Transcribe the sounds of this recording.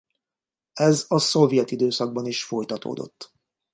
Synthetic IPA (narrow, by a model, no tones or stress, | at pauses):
ɛzɒso̞vjɛt̪id̪øːsɒɡ̚bɒniʃfo̞jt̪ɒt̪o̰ːd̪o̞̰t̪ː